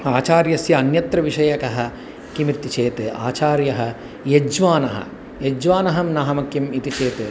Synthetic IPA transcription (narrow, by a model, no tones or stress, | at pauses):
aːt͡ʃaːɾjɐsjɐːnjɐt̪ɾɐʋiʃɐjɐkɐɦɐ̆ | kimɾit̪it͡ʃeːt̪ɨa̰ːt͡ʃaːɾjɐɦɐ̆ | jed͡ʒʋaːnɐɦɐ̰ | jed͡ʒʋaːnɐɦɐmnɐɦɐmɐkimit̪it͡ʃeːt̪